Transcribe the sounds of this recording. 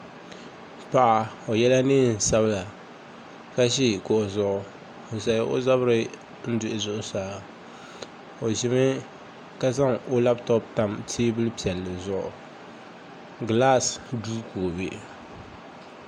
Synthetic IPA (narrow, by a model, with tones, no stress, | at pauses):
pa˨ʔa˨ | o˨jɛ˦la˦nɨ˦n̩˨sa˦bɨ˦la˨ | ka˦ʃ̬i˦˨kʊ˨ʔzʊ˦ʔʊ˨ | sa˨jʔo̰˦za˦bɾɨ˦ | n̩˦dʊ˨ʔɪ˨zʊ˦˨ʔʊ˦saː˦ | o˨ʒɪ˨mɨ˦ | ka˦za˦ŋo˦la˦btɔ˦p̚ta˦mtʰiː˦bɨ˦lɨ˦pi˨ɛ˨lːɨ˨zʊ˦˨ʔʊ̰˨ | ɡla˦sduː˦ko˨be˨ʔ